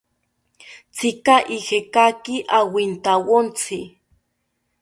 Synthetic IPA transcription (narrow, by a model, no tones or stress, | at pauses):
t͡sʰikaʔihekakiʔawint̪awont͡sʰi